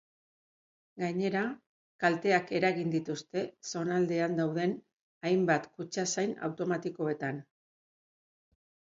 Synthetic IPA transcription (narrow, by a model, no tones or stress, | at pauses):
ɡaɲe̞ɾa | kalt̪e̞ake̞ɾaɣind̪it̪ust̪e̞so̞nald̪e̞and̪awð̞e̞n | ajmbat̪kut͡ʃasajna̰wt̪o̞mat̪iko̞e̞t̪an